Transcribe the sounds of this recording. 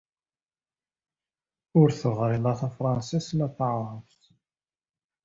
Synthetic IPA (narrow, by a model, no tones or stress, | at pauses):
ʊɾθʊʁɾɪlæθæfɾˤɑnsismæθʕɾˤəft̪